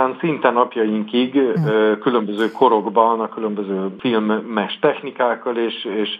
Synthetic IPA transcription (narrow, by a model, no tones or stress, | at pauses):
aːnsint̪ɛnɒpjɒjiŋkiɡøkylø̞mbøzøːkʰo̞ɾo̞ɡbɒnɒkylømbøzøːfilmːɛʃt̪ɛxnikaːkːɒleːʃeːʃ